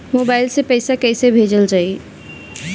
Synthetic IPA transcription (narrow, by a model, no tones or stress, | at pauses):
mobaɪlsẽpəɪsakəɪsebʱed͡ʒəld͡ʒaːi